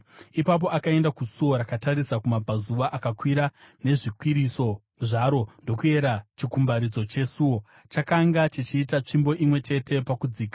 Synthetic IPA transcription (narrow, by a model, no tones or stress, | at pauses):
ipap̬o̞akae̞ndakusuwo̞ɾakataɾisakumab͡vʱazuʋaʔakakwiɾa | ne̞ʐikwiɾiso̞ | ʐaɾo̞ndo̞kue̞ɾat͡ʃikumbaɾid͡zo̞t͡ʃe̞suːwo̞ | t͡ʃakaŋɡat͡ʃit͡ʃiːtat͡ʂimbo̞ʔimwe̞t͡ʃe̞te̞pakud͡ziːkḁ